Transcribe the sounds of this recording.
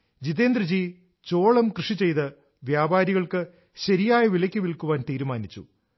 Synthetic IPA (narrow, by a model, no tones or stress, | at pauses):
d͡ʑiðeːnd̪rɐd͡ʑiː | t͡ɕoːɭɐmkrɨʂit͡ɕe̞jt̪ɨ | ʋjaːbaːɾiɣɐɭkɨ | ɕɐɾijaːjɐʋilɐkʲːɨʋilkːuʋaːnt̪iːɾumaːnit͡ɕːṵ